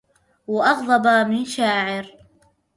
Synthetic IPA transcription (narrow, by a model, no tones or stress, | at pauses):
wɪʔɑɣðˤɑbaːmɪnʃaːʕɪɾ